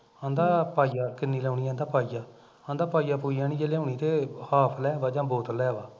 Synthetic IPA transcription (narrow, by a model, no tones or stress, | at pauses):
ãːnd̪aːpaːiːaːkɪnːiːlɛːuːɳiːãːnd̪aːpaːiːjaː | ãːnd̪aːpaːiːjaːpuːiːaːnĩːd͡ʒeːlɛːũːɳiːt̪eːhaːpʰlɛːʋaːd͡ʒãːboːt̪lɛːʋaː